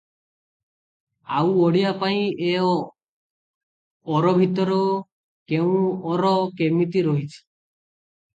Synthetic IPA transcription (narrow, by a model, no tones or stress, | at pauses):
awɔɽiapaĩe | ɔɾɔbʱit̪ɔɾɔ | keũɔɾɔkemit̪iɾɔɦit͡ʃʰi̥